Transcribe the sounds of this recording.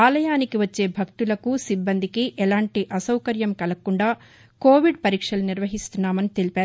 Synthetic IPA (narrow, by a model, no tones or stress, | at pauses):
aːlɐjaːnikiʋɐt͡ʃːe̞ːbʱɐkt̪ulɐkusibːɐnd̪ʱikiʔɛlaːɳʈiʔɐsɐwkɐɾjɐmkɐlɐkuɳɖaː | ko̞ːʋiɖpɐɾiːkʂɐluniɾʋɐɦist̪unːaːmɐnit̪e̞lipaːɾu